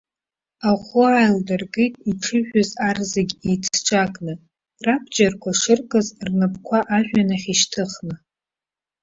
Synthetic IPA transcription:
aχʷʊajldɨrɡejtʼiʈ͡ʂʰɨʒᶣazarzeɡʲejt͡sʰʈ͡ʂʷʼakʼnɨ | rapʰd͡ʒarkʷʰaʂɨrkʼɨzrnɨpʰkʷʰaʔaʒᶣʷanaχʲiʃtʰɨχnɨ

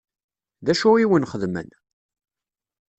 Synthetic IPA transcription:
ðæʃuiwənχəðmə̰n

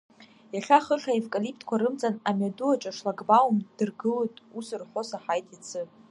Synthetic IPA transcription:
jaχʲaχəχaevkʼalipʰtʰʼkʷʰaɾɨmt͡sʼanamaduat͡ʃʼaʂlaɡbawmd̥ɨrɡɨlotʼusɨrħʷosaħajtʼit͡sʰɨ

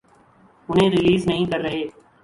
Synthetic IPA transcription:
ʊn̤ɦẽːɾɪliːznəɦĩːkəɾːəɦeː

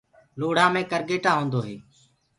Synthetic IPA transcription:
loːɽ̤ãːmẽːkəɾɡeːʈãːɦõːnd̪oːɦeː

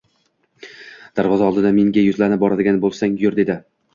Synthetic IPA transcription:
d̪̥aɾvɒzaɒlˠd̪ɪd̪ameŋɡʲajʊzlanɪp̚bɒɾad̪ɪɡʲanbolˠsaŋjoɾd̪e̞d̪ɪ

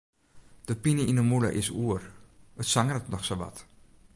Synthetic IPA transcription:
d̥əpinəinəmulə̰ʔɪsuərətsaŋərətnɔχsoʋɑ̰t

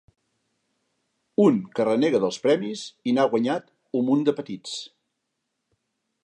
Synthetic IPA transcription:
uŋkərəneɣəðəlˠspɾɛmizinaɣwəɲat̪ | umund̪əpət̪it͡s

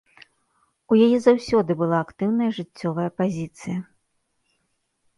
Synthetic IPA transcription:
ujajɛzawsʲɔd̪ɨbɨlˠaːkt̪ɨwn̪ɐjɐʐɨt͡sʲːɔvɐjɐpazʲit̪sɨjɐ

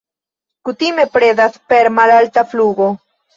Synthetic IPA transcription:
kutime̞pɾe̞daspe̞ɾmalaltafluɡo̞

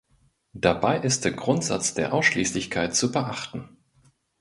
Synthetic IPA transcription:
d̥abaɪʔɪst̚d̥eːɐɡʁʊntz̥a̰t͡sd̥eːɐʔaʊsʃliːslɪçkʰaɪt̚t͡subəʔaχtn̩

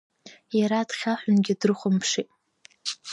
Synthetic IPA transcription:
jaɾadχʲaħʷᶣʊnɡʲɪdrɨχʷʊmpʰʂitʼ

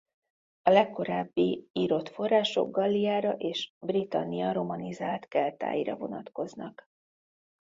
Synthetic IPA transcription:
ɒlɛkːo̞ɾaːbːiiːɾo̞t̪fo̞raːʃo̞̰ɡɡɒlːijaːɾɒʔeːʃbrit̪ɒ̰nːijɒɾo̞mɒnizaːlt̪kɛlt̪a̰ːjiːɾɒ̰vo̞nɒt̪ko̞znɒk

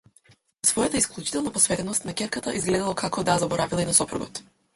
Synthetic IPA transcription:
svɔjat̪aisklˠut͡ʃit̪ɛlˠnapɔsvɛt̪ɛnɔst̪nakʲɛɾkat̪a̰ʔizɡlɛd̪alˠakʰakɔd̪azabɔɾavilˠainasɔpɾṵɡɔ̰t̪

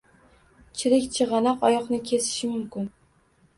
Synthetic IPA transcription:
t͡ʃʰɪɾɪkʲt͡ʃʰɪʁɑnɒqɒjɒqnɪkʲʰesɪ̥ʃɪmʊmkʲɪn

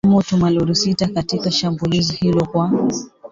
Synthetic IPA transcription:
mɔtumaluɾusitakatikaʃambulizihilɔkwa

